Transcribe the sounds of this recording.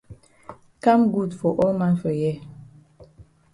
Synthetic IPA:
ka˦mɡu˦˨dfɔ˨ʔɔ˦lmã˦nfə˨jɛ˦˨

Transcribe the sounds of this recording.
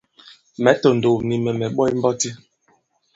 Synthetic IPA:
mɛ˨˦to˨n̩˨do˨ni˨mɛ˨mɛ˨ɓɔ˦i˦m̩˦bɔ˦ti˦

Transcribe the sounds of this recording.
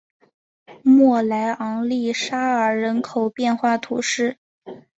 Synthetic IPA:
mwɔ˥˩la˧˥ɪʔɑ˧˥ŋli˥˩ʂa˥ə˞˨˩ɻə˧˥nkʰo˨˩ʊpjɛ˥˧nxwa˥˩t̪ʰu˨˧˥ʂɻ̩˥˩

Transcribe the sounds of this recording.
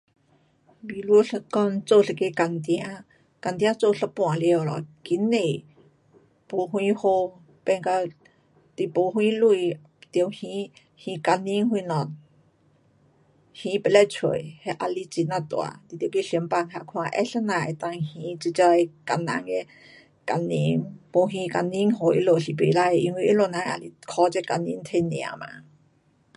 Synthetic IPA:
bi˧˨lu˧˦ɬə˧kɔ˧nt͡so˥˧˨ɬə˧˨ke˧˦ka˧˨nt̪i˧a˦ | ka˧˨nt̪i˧a˦t͡so˥˧˨ɬə˧pũ˧˨a˨li˧ə˧˨lɔ̰˨ki˨˦nːe˨ | po˨hwĩ˧˦ho˧ | pɛ˧ŋka˧ | t̪i˧˨po˨hwĩ˧˦lu˧˨ | t̪ə˧˨whĩ˧˥ | hĩ˧ka˧ni˧˦ŋɦu˧˨nɔ˨˩˨n̚ | hĩ˧˦pe˧lɛ˧˨t͡sʰə̰˧˨jhɛ˧ʔa˧li˧˦t͡si˧na˧˨t̪w̰a̰˧˨t̪i˧˨t̪jə˧˨ke˧ɬi˧˦mpa˧˨ŋha˧kʰã˧ʔɛ̰˧ɬa˦na˧˨ʔe˧t̪a˧ŋhĩ˧t͡ʃi˧t͡ʃa˧jka˧˨nã̰˧ŋe˧ | ka˧˨ni˧˦ŋpo˧ɦĩ˧ka˧˨nĩ˧˦ŋɦo˧ʔḭ˧˦lo˧˨ɬi˨pḛ˨la˧e˧ʔi˧ŋwi˧ʔi˦lo˧˨nã˧ʔa˧li˧kʰɔ˧˦t͡ʃɛ˧ka˧nĩ˧˦nt̪ʰe˧nḭ̃˧˨a̰˧˨ma̰˧˨

